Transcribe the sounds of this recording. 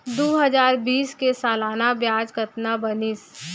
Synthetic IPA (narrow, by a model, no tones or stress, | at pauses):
d̪oːɦɐzaːɾbiːskesaːlaːnabjaːd͡ʒkət̪nabɐnɪs